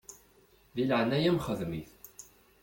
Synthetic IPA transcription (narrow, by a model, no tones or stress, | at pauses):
ðilʕnæjæmχəðmiθ